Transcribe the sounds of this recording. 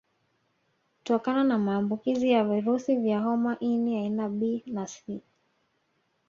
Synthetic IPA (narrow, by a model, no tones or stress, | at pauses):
kutɔkananamaːmbukizijaviɾusivjaɦɔmaʔiniainaɓinasi